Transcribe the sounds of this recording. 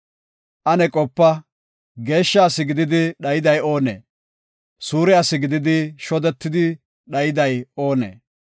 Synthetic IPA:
ʔɐnɛkʼɔpːɐ | ɡe̞ːʃːaːsɪɡɪd̪ɪd̪ɪɗɐjɪd̪ɐjo̞ːnḛː | suːɾɛaːsɪɡɪd̪ɪd̪ɪʃɔd̪ɛt̪ːɪd̪ɪ | ɗɐjɪd̪ɐjo̞ːnḛː

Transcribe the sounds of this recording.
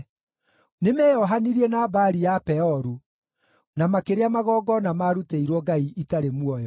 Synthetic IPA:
nemɛːɔɦaniɾienabaɾijapɛɔɾu | namakeɾeamaɣɔːɡɔnamaɾuteiɾwɔɡaiʔitaɾemwɔjɔ

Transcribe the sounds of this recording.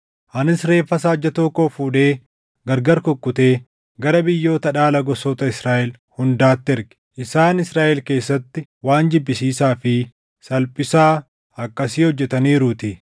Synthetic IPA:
ʔɐnɪsɾe̞ːfːɐs̬aːd͡ʒːɐt̪oːkoːfuːᶑe̞ː | ɡɐɾɡɐɾkɔkʼːʊt̪e̞ː | ɡɐɾɐbɪjːo̞ːt̪ɐᶑaːlɐɡɔsɔt̪ɐɪsɾaːʔɛl | hʊnd̪aːt̪ːɪɛɾɡɪ̥ʔɪsaːnɪsɾaːʔɛlke̞ːsːɐt̪ːɪwaːnd͡ʒɪbːɪsiːsaːfɪ | sɐlpʼɪsaː | ɐkːɐsiːhɔd͡ʒːɛt̪ɐniːɾʊt̪ɪ

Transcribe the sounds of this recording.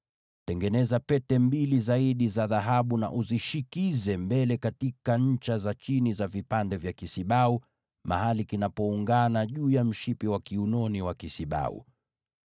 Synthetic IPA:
tɛŋɡɛnɛzapɛtɛmbilizaiɗizaðaɦaɓuna̰ʔuziʃikizɛmbɛlɛkatikaɲ̩t͡ʃazat͡ʃinizavipandɛvjakisiɓau | ma̰halikinapɔuŋɡanaʄuːjam̩ʃipiwakiunɔniwakisiɓa̰ṵ

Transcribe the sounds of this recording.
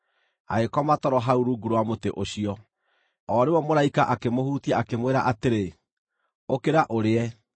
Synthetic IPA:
a̰ɣekɔmatɔɾɔɦauɾuɡuɾowamoteʔoɕiɔ | ɔɾewɔmoɾaikaʔakemohuːtiaakemweɾa̰ʔateɾe | okeɾaʔoɾeɛ

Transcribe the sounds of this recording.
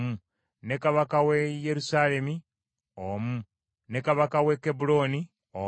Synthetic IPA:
mu | ne̞kaβakawejeɾusaːle̞mi | omu | ne̞kaβakawe̞kebulo̞ːni | o

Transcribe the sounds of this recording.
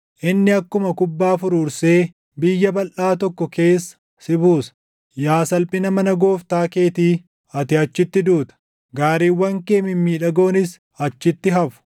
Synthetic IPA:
ʔɪnːɪɐkːʊmɐkʊbːaːfʊɾuːɾse̞ː | bɪjːɐbɐlʔaːt̪̬ɔkːɔke̞ːsːɐ̥ | sɪbuːsɐ̥ | jaːsɐlpʼɪnɐmɐnɐɡo̞ːft̪aːke̞ːt̪iː | ɐt̪ɪɐt͡ʃːɪt̪ːɪd̪uːt̪ɐ̥ | ɡaːɾiːwːɐŋkeːmɪmːiːᶑɐɡo̞ːnɪs | ɐt͡ʃːɪt̪ːɪɦɐfʊ̥

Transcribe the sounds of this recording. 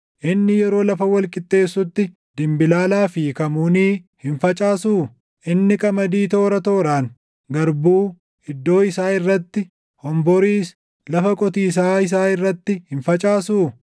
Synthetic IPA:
ʔɪnːɪjɛɾo̞ːlɐfɐwɐlkʼɪt̪ʼːe̞ːsːʊt̪ːɪ | d̪̥ɪmbɪlaːlaːfiːkɐmuːniːhɪnfɐt͡ʃʼaːsuː | ʔɪnːɪkʼɐmɐd̪iːt̪o̞ːɾɐt̪o̞ːɾaːŋ | ɡɐɾbuː | ɪd̪ːo̞ːɪsaːɪrːɐt̪ːɪ | hɔmbɔɾiːs | lɐfɐkʼɔt̪iːs̬aːɪs̬aːɪrːɐt̪ːɪhɪnfɐt͡ʃʼaːsuː

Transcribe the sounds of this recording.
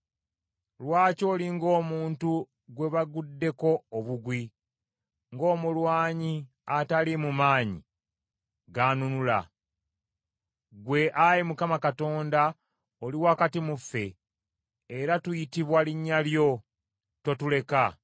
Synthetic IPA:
lwaːco̞ːliŋɡo̞ːmuːntu | ɡwe̞βaɡudːe̞ko̞ːβuɡwi | ŋɡo̞ːmulwaːɲi | atalimumaːɲḭ | ɡaːnunula̰ | ɡwe̞ʔajimukamakato̞ːnda | oliwakatimufːe̞ː | ɾatujitiβwaliɲːaljo̞ | to̞tule̞ka

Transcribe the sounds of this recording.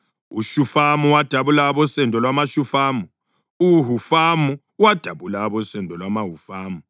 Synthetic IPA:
uʃufamuwad̥ʱaβulaːβɔsɛndʱʼɔlwamaʃufaːmu | uɦufamu | wad̥ʱaβulaːβɔsɛndʱʼɔlwamaɦufaːmu

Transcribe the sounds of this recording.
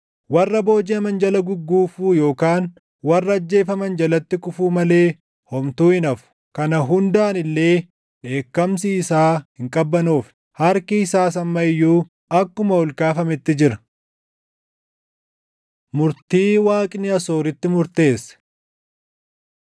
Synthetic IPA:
wɐrːɐbo̞ːd͡ʒɪɐmɐnd͡ʒɐlɐɡʊɡːuːfuːjo̞ːkaːn | wɐrːɐːd͡ʒːe̞ːfɐmɐnd͡ʒɐlɐt̪ːɪkʼʊfuːmɐle̞ː | hɔmt̪uːɪnɐfʊ̥ | kɐnɐɦʊnd̪aːnɪlːe̞ː | ᶑe̞ːkːɐmsiɪsaːhɪŋkʼɐbːɐnuːf | hɐɾkɪɪsaːsɐmːɐɪjːuː | ɐkːʊmɐhɔlkaːfɐmɛt̪ːɪd͡ʒɪɾɐ̥ | mʊɾt̪iːwaːkʼɪnɪɐso̞ːɾɪt̪ːɪmʊɾt̪e̞ːs

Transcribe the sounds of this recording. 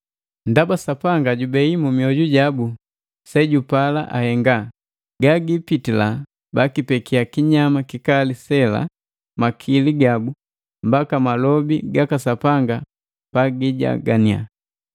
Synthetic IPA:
ndabasapaŋɡaɟubɛimumiɔɟuɟabu | sɛɟupala̰ʔa̰hɛŋɡa | ɡaɡipitila | bakipɛkiakiɲamakikalisɛla̰ | makʰiliɡabu | mbakamalɔbiɡakasapaŋɡa | paɡiɟa̰ɡania̰

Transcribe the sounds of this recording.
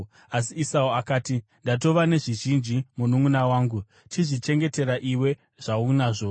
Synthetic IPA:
asiːsauakaːti | ndat̬o̞ʋane̞ʐiʒind͡ʒimunumunawaːŋɡu | tʰiʐit͡ʃe̞ŋɡe̞te̞ɾaʔiwe̞ | ʐ̥aunaːʐo

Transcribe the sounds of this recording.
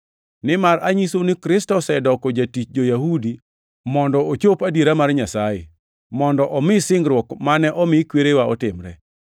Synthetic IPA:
nɪmaraɲisonɪkɾɪstɔsɛdɔkɔd͡ʒatit͡ʃd͡ʒojahudi | mɔndɔot͡ʃopadiɾamarɲasajḛ | mɔndɔʔɔmɪsɪŋɡɾwɔkmanɛʔɔmɪkweɾewaɔtɪmɾɛ̰

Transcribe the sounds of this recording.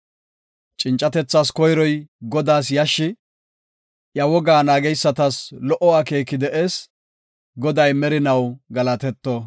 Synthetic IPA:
t͡ʃʼɪnt͡ʃʼːɐt̪ɛt͡sːaːskɔjɾɔjɡɔd̪aːsjɐʃːɪ | ʔjɐwɔɡaːnaːɡɛjsːɐt̪ɐslɔʔɔwaːke̞ːkːɪd̪ɛʔe̞ːs | ɡɔd̪ɐjmɛɾɪnɐwɡɐlɐt̪ɛt̪ːɔ

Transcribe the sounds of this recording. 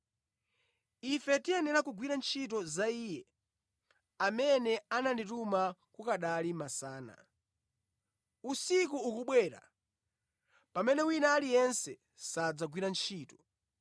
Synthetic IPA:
ifɛtiɛnɛɾakuɡwiɾant͡ʃʰit̬ɔzaiːjɛ | amɛnɛananditumakukaɗalimasaːna̰ | usik̬uːkuɓwɛːɾa̰ | pamɛnɛwinaːlijɛnsɛ | sad͡zaɡwiɾant͡ʃʰiːtɔ̥

